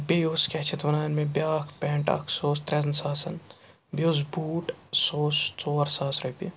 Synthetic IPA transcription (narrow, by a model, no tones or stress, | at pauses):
beːjoːskɛt͡ʃʰɪt̪ʋɐnaːjnmẽbjaːkʰpɛːɳʈɐ̰kʰsoːst̪ɾezɐnsaːsɐn | bjoːzbuːʈsoːst͡soːɐɾsaːsɾepḭ